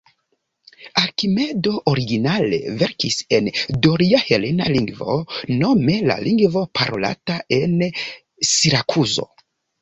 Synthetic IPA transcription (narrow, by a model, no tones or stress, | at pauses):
aɾkime̞do̞ʔoɾiɡinale̞̰ve̞ɾkise̞ndoɾiahe̞le̞naliŋɡvo̞̰no̞me̞la̰lʔiŋɡvo̞pʰaɾo̞̰la̰tae̞n | siɾakʰuzo̞̰